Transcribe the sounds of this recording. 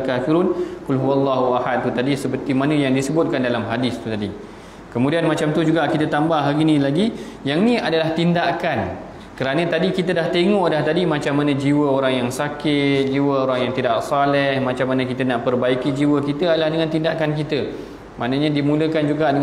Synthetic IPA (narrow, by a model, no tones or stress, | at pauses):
kafiɾunkulɦuwalːaɦuahad̪̚t̪ut̪adisəpərt̪imanə̃jaŋdisəbʊt̪̚kandalamɦadist̪ut̪adi | kəmudianmat͡ʃamt̪ud͡ʒuɡaʔkit̪ət̪ambahɦaɡinĩlaɡi | jaŋnĩadalaht̪indakan | kəɾanə̃t̪adikit̪ədaht̪eŋɔʔdaht̪adimãt͡ʃamːanə̃d͡ʒiwəoɾaŋjaŋsakɪt̪̚d͡ʒiwəoɾaŋjaŋt̪idaʔsalɛhmãt͡ʃamːanə̃kit̪ənaʔpərbaikid͡ʒiwəkit̪əadalahdəŋãnt̪indaʔkankit̪ə | ma̰ʔnəɲãdimũləkand͡ʒuɡaʔdə